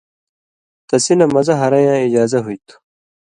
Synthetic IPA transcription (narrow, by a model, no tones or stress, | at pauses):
t̪ɐsinɐmɐzɐɦɐɾɐjãːid͡ʑaːzɐɦuit̪ʰu̥